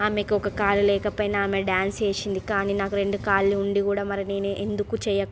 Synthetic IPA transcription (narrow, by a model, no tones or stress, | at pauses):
aːmekiɔkɐkaːlulɛːkɐpɐjnɐːmeɖaːnseːʃind̪ikaːniːnaːkuɾe̞ɳɖukaːlːiuɳɖikuːɽaːmɐɾɐneːneʔend̪ukut͡ʃɛjɐkː